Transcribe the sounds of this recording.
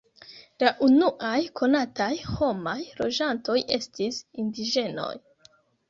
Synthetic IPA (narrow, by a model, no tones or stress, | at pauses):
laʔunuʔajkʰo̞natajho̞majlo̞̰d͡ʒanto̞jʔe̞̰stisindiʒe̞no̞̰j